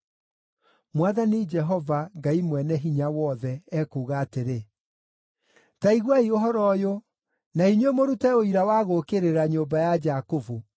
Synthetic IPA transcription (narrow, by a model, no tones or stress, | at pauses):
mwaðanid͡ʒɛɦɔvaŋɡaimwɛnɛɦiɲawɔðɛɛkoɣaːteɾe | taiɣwaioɦɔɾɔjo | naiɲwemoɾutɛoiɾawaɣokeɾeɾaɲoːmbajad͡ʒakovu